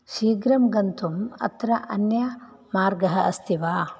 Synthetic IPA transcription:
ʃiːɡɾɐmɡɐnt̪umɐ̰t̪ɾɐʔɐnjɐ | maːɾɡɐɦɐɐst̪ʰiʋaː

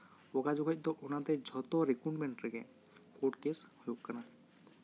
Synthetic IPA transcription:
ɔkad͡ʒɔɡʰʱɔc̚ˀd̪ɔʔɔnat̪ɛd͡ʒʱɔt̪ɔɾikuʈmɛɳʈɾɛɡɛ̰ | kuʈkeshujuʔkana

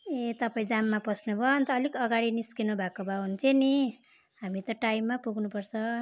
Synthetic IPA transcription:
et̪ʌpaĩd͡zamːapʌsnubʱʌʌnt̪ʌːlikʌɡaɽiniskinubʱakobʱaɦunt̪ʰjoni | ɦamit̪ʌʈajmːapuɡnupʌrt͡sʰʌ

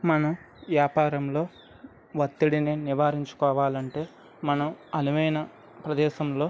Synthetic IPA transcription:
mɐnɐm | ʋjaːpaːɾɐmlo̞ː | ʋɐt̪ːiɽininiʋaːɾiɲt͡ʃu̥kɔːʋaːlɐɳʈe̞ː | mɐnɐmɐnuʋɐjnɐ | pɾɐd̪ɛːʃɐmlo̞ː

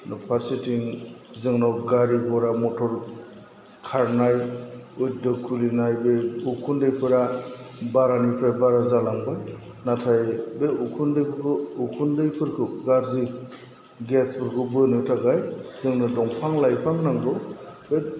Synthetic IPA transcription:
nɔpʰaɾsitiŋ | zɯŋnawɡaɾibɔɾamɔtʰɔɾ | kʰaɾnajuj̚dɯkʰulinajbeukʰundɯjpʰɯɾabaɾanipʰɾabaɾazalaŋbaj | natʰajbeukʰundɯjpʰɯɾkʰɯukʰundɯjpʰɯɾkʰɯɡaɾzi | ɡespʰɯɾkʰɯbɯnɯtʰaɡajzɯŋnɯdɔŋpʰaŋlajpʰaŋnaŋdɔbe

